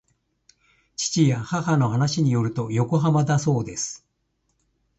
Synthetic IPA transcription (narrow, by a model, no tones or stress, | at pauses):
t͡ɕi̥t͡ɕijahahano̞ɦanaɕiɲ̟ijo̞ɾɯ̟t̪o̞jo̞ko̞ɦamad̪aso̞ːd̪e̞sɨ̥